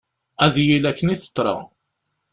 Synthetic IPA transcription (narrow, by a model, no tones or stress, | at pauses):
æðjilækːəniθə̥t̪ˤːɾˤɑ̰